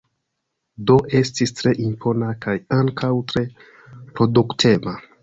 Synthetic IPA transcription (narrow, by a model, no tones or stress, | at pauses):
doʔe̞stistɾe̞ʔimpo̞nakajaŋkʰawtɾe̞ | pɾo̞duktʰe̞va